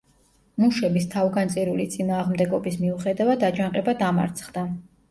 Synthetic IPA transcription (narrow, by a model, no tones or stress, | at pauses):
muʃɛbist̪ʰavɡant̪sʼiɾulit̪sʼinaːʁmd̪ɛɡɔbismiuχɛd̪avad̪ad͡ʒanqʼɛbad̪ama̰ɾt̪sʰχd̪a